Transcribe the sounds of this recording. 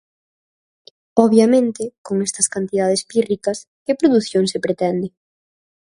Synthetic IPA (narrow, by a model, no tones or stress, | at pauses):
ɔβjɐmẽnt̪ɪkoŋɛst̪ɐskant̪iðað̞espirikɐs | kɪpɾoðuθjoŋsepɾet̪ɛnd̪ɪ